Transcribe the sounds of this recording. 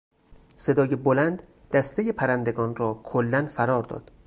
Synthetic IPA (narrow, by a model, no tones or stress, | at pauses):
se̞d̪ɒːje̞bolænd̪ | d̪̥æst̪ejepʰæɾænd̪e̞ɡɒːnrɒːkʰolːænfæɾɒːɾd̪ɒ̰ːd̪̥